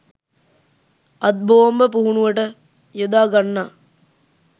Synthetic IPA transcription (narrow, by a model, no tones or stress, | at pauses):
ɐd̪̚boːmbəpuɦunuʋəʈə | jod̪aːɡɐnːaː